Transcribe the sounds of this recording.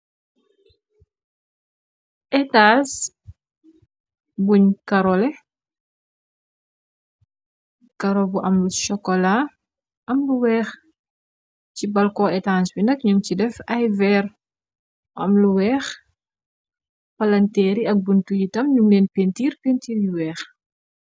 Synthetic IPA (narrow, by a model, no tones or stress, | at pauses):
ʔɛtaːs | buɲkɐɾɔlɛ | kɐɾɔbuʔɐmluʃɔkːɔla | ʔɐmluwɛːx | cibɐlkɔɛtansbinɐk̚ɲumcidɛfɐjvɛːr | ʔɐ̰mluwɛːx | pɐlɐntɛːɾiɐk̚buntujitɐmɲumleːnpentiːrpentiːɾjuwɛːx